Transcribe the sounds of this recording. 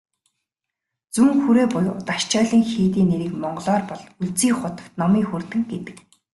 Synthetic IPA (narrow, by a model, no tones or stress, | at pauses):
t͡suŋxuɾeːpʊjʊt̪aʃt͡ɕœːɮĭːŋxiːt̪iːneɾɘ̆kmɔɴɢɞ̆ɮɔːrpɔɮuɮt͡siːŋχʊt̪ə̆w̥t̪nɔmiːxurt̪ɘ̆ŋɡet̪ɘ̆k